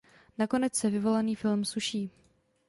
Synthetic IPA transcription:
nako̞nɛt͡ssɛvɪvo̞laniːfɪlmsuʃiː

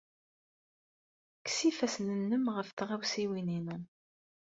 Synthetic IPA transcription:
ksifæsnənːəmʁəfθʁawsiwininu

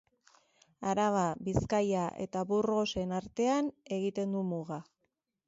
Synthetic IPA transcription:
aɾaβ̞aβiskajaʔe̞̰t̪aβurɣo̞se̞naɾt̪e̞ane̞ɣit̪e̞nd̪umuɣa

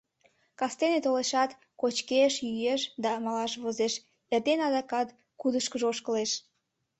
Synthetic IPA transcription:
kɑst̪enet̪oleʃɑt̪ | kot͡ɕkeʃjyjeʃd̪ɑmɑlɑʃβozeʃ | erd̪enɑd̪ɑkɑt̪ | kud̪əʃkəʒoʃkəleʃ

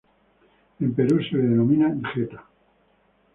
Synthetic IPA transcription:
empeɾuseððenomĩnaŋxet̪ḁ

